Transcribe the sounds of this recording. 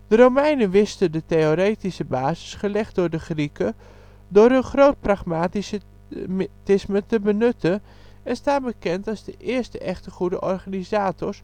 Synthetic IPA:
d̥ərowmɛjnəʋɪstədəteoɾejtisəbaːzəsχəlɛxt̚dʊrdəxrikə | dʊɾənχrowt̚praχmaːtisə | tɪsmətəbənøtʰə | ɛnstaːnbəkɛntazdəʔɪːərstəʔɛxtəχudəʔɔrxanizaːtʰɔs

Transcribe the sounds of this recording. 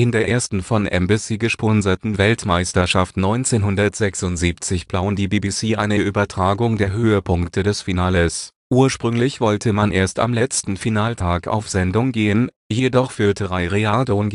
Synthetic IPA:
ʔɪndeːɐʔeːɐstn̩fɔnʔɛ̰mbisiːɡəʃpɔnzɐtn̩vɛltmaɪstɐʃaftnɔʏnt͡seːnɦʊndɐtz̥ɛksʊntz̥iːpt͡sɪçb̥laʊəndiːbiːbisiːʔaɪnəʔyːbɐtʁ̥aːɡʊŋdeːɐɦøːəpʰʊŋktʰədɛsfinaːləs | ʔuːɐʃpʁ̥ʏŋlɪçv̥ɔltʰəmanʔeːɐsta̰mlɛt͡stn̩finaːltʰaːka̰ʊfz̥ɛndʊŋɡeːən | jedɔχfʏɐtʰəʁaɪʁeadon

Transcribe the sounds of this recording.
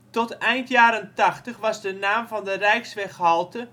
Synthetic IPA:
tɔtɛjntjaːɾəntɑxtəχʋɑzdənaːmvɑndərɛjksʋɛxhɔlˠtə

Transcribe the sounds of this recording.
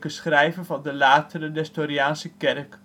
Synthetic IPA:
kəsχrɛjvənvɑndəlaːtərənɛstoɾiaːnsəkɛrk

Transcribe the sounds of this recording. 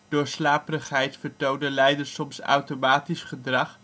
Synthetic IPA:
d̥ʊːɹslaːpərəχɦɛjtfəɹtowndəlɛjdəɹsɔmsɑ̰wtomaːtisχədrɑχ

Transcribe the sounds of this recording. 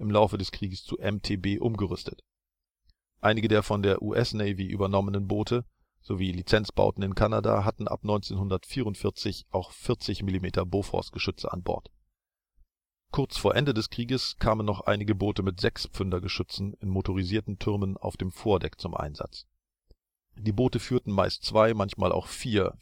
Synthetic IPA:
ʔɪmlaʊfədɛskʁ̥iːɡəst͡suʔɛmtʰeːbeːʔʊmɡəʁʏstʰət | ʔaɪnɪɡədeːɐfɔndeːɐʔuʔɛsnɛɪviːʔy̰bɐnɔmənənboːtʰə | z̥oviːlit͡sɛnt͡sb̥a̰ʊtn̩ɪnkʰanada̰ɦatn̩ʔa̰pnɔʏnt͡seːnhʊndɐtfiːʁʊntfɪɐt͡sɪçʔaʊxfɪɐt͡sɪçmɪlimeːtʰɐboːfʁɔ̰sɡ̥əʃʏt͡sə̰ʔa̰nbɔ̰ɐt | kʰʊɐt͡sfoːɐʔɛndədɛskʁ̥iːɡəskʰaːmənːɔχʔa̰ɪnɪɡəboːtəmɪtz̥ɛkspp͡fʏndɐɡəʃʏt͡sn̩ɪnmotoʁ̞iziːɐtn̩tʰʏɐməna̰ʊfd̥eːmfoːɐdɛkt͡sʊmʔa̰ɪnza̰t͡s | d̥iːboːtəfyːɐtn̩maɪstt͡sv̥aɪmançma̰ːlʔa̰ʊxfiːɐ

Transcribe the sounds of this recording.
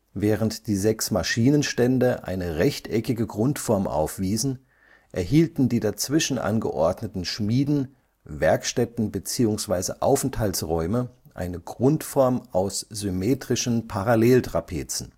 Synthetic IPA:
vɛːʁəntd̥iːzɛksmaʃiːnənʃtɛndəʔa̰ɪnəʁɛçtʔɛkɪɡəɡʁʊntfɔɐmʔa̰ʊfv̥iːzn̩ | ʔɛɐhiːltn̩diːdat͡sv̥ɪʃn̩ʔa̰nɡə̰ʔɔɐdnətn̩ʃmiːdn̩ | vɛɐkʃtɛtn̩bət͡siːʊŋsv̥aɪzə̰ʔaʊfn̩thaltsʁɔʏməʔa̰ɪnəɡʁʊntfɔɐmʔaʊsz̥ʏmeːtʁ̥ɪʃn̩pʰaʁaleːltʁ̥apʰḛːt͡sn̩

